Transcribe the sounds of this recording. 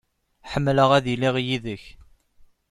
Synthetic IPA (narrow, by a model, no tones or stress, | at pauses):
ħəmːləʁæðiliʁjiðəç